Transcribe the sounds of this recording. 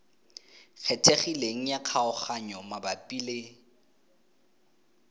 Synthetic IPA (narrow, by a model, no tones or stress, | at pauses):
k͡xʰɛtʰʼeχileŋ̩jaq͡χʰaʊχaɲɔmabapʼile